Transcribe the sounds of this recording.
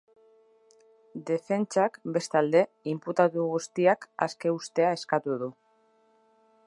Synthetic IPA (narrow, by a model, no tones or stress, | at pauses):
d̪e̞fe̞nt͡ʃakbe̞st̪ald̪e̞ | imput̪at̪uɣ̞ust̪iaka̰ske̞ust̪e̞ae̞skat̪uð̞u